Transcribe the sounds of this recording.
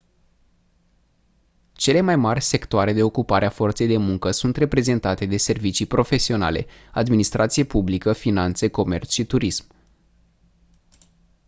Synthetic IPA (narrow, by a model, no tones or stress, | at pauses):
t͡ʃe̞le̞majmarʲse̞kt̪oaɾe̞d̪e̞o̞kupaɾeafo̞rt̪se̞jd̪e̞muŋkəsunt̪re̞pɾe̞ze̞nt̪at̪e̞d̪e̞se̞rvit͡ʃipɾo̞fe̞sio̞na̰le̞̰ad̪minist̪ɾʔat̪sijepublikəfinant̪se̞ko̞me̞rt̪sʃit̪uɾism